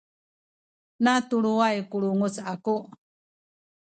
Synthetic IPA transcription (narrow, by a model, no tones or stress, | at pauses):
nat̪uɾuajkuɽuŋut͡saku